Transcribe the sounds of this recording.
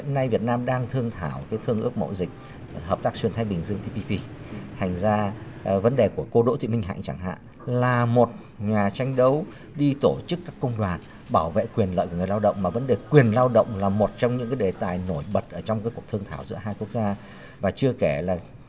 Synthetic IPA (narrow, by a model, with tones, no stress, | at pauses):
ḭ˧˨əna˧jvi˨˩ət̚naː˧mɗaː˧ŋt̪ʰɨ˧əŋt̪ʰaː˧˩wkaː˨˦jt̪ʰɨ˧əŋʔɨ˦˥ək̚mo̰˧˥˩zï˨˩k̟̚ | həː˨˩p̚t̪aː˦˥k̚swi˨˩ənt̪ʰa˧jɓï˨˩ŋ̟zɨ˧əŋt̪i˧pi˧pi˧ | t̪ʰa˨˩jŋ̟zaː˧ | və˨˦nɗe˨˩ku˧˩əko˧ɗo̰˧˥t̪ʰḭ˧˨mï˧ŋɦa̰˧˨ŋt͡ɕa˧˩ŋɦa̰ː˧˨ʔ | laː˨˩mo˨˩t̚ | ɲaː˨˩t͡ɕa˧jŋ̟ɗə˨˦w | ɗi˧t̪o˧˩t͡ɕɨ˦˥kːaː˦˥kːə˧wŋ͡mɗwaː˨˩n | ɓaː˧˩wvḛ˧˨kwi˨˩ənlə̰˧˨ku˧˩ŋ˨˩la˧wɗə̰˧˨wŋ͡mmaː˨˩və˨˦nɗe˨˩kwi˨˩ənlaː˧wɗə̰˧˨wŋ͡mlaː˨˩mo˨˩t̚t͡ɕɔ˧wŋ͡mɲɨ̰˧˥ŋkaː˨˦jɗe˨˩t̪aː˨˩jno˧˩jɓə˨˩t̚ʔəː˧˩t͡ɕɔ˧wŋ͡mkaː˨˦ku˨˩ək̚t̪ʰɨ˧əŋt̪ʰaː˧˩wzɨ̰˧˥əɦaː˧jku˦˥ək̚zaː˧ | vaː˨˩t͡ɕɨ˧əke˧˩laː˨˩